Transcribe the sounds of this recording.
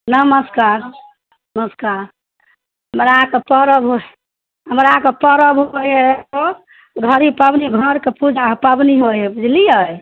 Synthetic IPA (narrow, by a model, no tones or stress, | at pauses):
nəməskaɾ | nəməskaɾ | ɦəmɾakepəɾəbɦo | ɦəmɾakepəɾəbɦojeto | ɡʱəɾipəbniɡʱəɾkepud͡ʒʱapəbniɦoepud͡ʒliəj